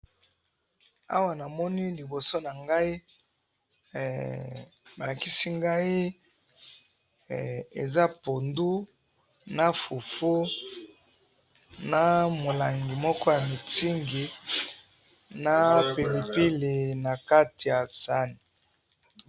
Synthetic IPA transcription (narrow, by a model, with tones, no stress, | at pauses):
a̰˦wa˨na˨mɔ˦ni˦li˨bo˨so˦na˨ŋɡa˦i˦˨ | ba˨la˨ki˦si˦ŋɡa˦i˦ | ḛ˨za˦po˨ndu˦ | na˨fu˨fu˦ | na˨mo˨la˨ŋɡi˨mɔ˦kɔ˦ja˨mi˨ti˦ŋɡi˨ | na˦pe˨li˨pi˦le˨na˨ka˦ti˨ja˨sa˦ni˨